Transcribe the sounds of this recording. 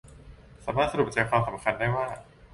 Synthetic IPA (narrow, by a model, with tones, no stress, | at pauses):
saː˩˦maː˥˩t̪sa˧du˨˩k̚t͡ɕɤː˧kʰwaː˧msa˩˦mkʰa˧ndaː˥˩jwaː˥˩